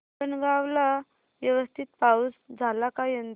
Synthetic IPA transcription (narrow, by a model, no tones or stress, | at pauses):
ənɡaʋla | ʋjəʋəst̪ʰit̪̚pausd͡zʱalakajənd̪